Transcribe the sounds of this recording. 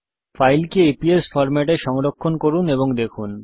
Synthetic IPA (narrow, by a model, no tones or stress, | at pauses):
fajlkeepiesfɔɾmɛʈeʃɔŋɾokʰːonkoɾuneboŋd̪ekʰun